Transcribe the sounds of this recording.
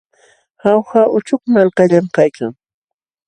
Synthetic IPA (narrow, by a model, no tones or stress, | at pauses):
hawxaʔʊt͡ʃʊkmalkaʎamkajkaŋ